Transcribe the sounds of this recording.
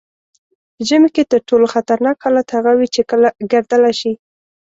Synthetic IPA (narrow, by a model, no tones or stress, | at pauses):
pəʒəmeket̪əɾʈoloxat̪aɾnɑkalat̪haɣawit͡ʃekəlaɡəɾd̪əlajʃi